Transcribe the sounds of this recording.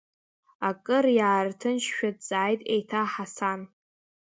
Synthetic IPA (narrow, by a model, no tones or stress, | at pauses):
akʼɨrjaːrtʰɨnʃʃᶣadd͡zaːjtʼejtʰaħasan